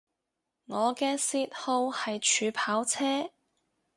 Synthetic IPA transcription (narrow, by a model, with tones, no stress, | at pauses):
ŋɔː˨˧kɛː˧siː˧t̚ho˧whɐ˨jt͡ʃʰyː˨˧pʰaː˨˥wt͡sʰɛː˥